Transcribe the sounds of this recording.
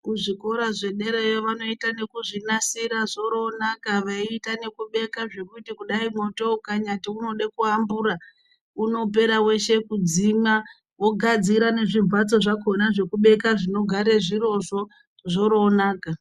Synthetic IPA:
kuʐiko̞ɾaʐe̞ɗe̞ɾejoʋano̞itane̞kuʐinasiɾaʐo̞ɾonakaʋaiːtane̞kuɓe̞kaʐe̞kutikuɗaimo̞to̞kaɲatiuno̞ɗekuambuɾa | uno̞p̬e̞ɾawe̞ʃe̞kud͡zima | wo̞ɡʱad͡ziɾane̞ʐiɱvat͡so̞ʐakonaʐe̞kuɓe̞kaʐino̞ɡʱaɾeʐiɾo̞ʐo̞ | ʐo̞ɾoːnaːka

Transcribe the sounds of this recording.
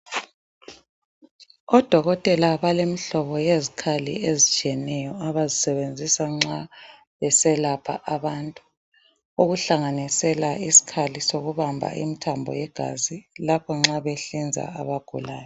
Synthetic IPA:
ɔd̥ʱɔɣɔtʼɛlaβalemiɬɔβɔjezikʰalḭezit͡ʃʼiɛnɛjɔaβazisɛβend͡zʱisaŋ͡ǁa | βɛsɛlapʰaʔaβantʼu̥ | uɣuɬaŋanisɛlaisi̥kʰalisoɣuβambʱa̰ʔḭmitʰambʱɔ̰jɛɡ̥ʱa̰zilapʰɔŋ͡ǁaβɛɬind͡zʱa̰a̰βaɡ̥ʱulaːjɔ

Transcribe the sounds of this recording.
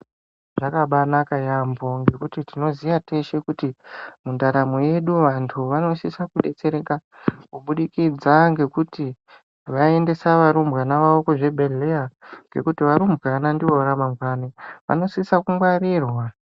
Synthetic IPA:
ʐakaɓanakajambo̞ŋɡe̞kutitino̞zijate̞ʃe̞kutimundaɾamoje̞ɗuʋantʰuʋano̞sisakuɗe̞t͡se̞ɾe̞ka | kuɓuɗikid͡zaŋɡe̞kuti | ʋae̞nde̞saʋaɾumbɣanaʋaoko̞ʐe̞bʱe̞le̞aŋɡe̞̰kutiʋaɾumbɣanandiʋo̞ʋaɾamamɡaniʋa̰no̞sisakumɡwaɾirwa

